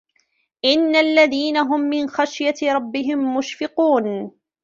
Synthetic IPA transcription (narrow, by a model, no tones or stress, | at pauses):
ʔɪnːalːaðiːnaɦʊmːɪnxaʃjaɾˤɑbːɪɦɪmːʊʃfɪquːn